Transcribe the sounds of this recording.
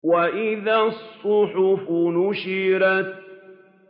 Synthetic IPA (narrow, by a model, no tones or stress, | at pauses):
waʔɪðasˤːʊħʊfʊnʊʃiːɾat̪̚